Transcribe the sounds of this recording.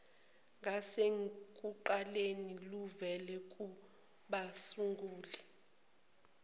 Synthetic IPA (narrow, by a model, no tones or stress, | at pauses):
ŋʱaseŋkʼuǃaleniluvɛlɛk̬ʼu | ɓasuŋɡuːlɛ